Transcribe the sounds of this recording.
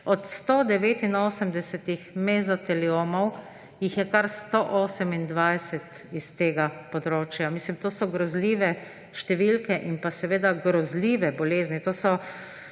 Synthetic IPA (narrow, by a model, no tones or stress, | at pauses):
ɔt̪st̪od̪ɛʋeːt̪inoːsəmd̪ɛsɛt̪ixmezɔt̪ɛlioːmɔw | jixjɛkaɾst̪oʔoːsəmind̪ʋajsɛt̪ | ist̪eːɡapɔd̪ɾoːt͡ʃjamislimt̪oːsɔɡɾɔzliːʋɛ | ʃt̪ɛʋilkɛʔinpasɛʋeːd̪aɡɾɔzliːʋɛbɔleːznit̪oːsɔ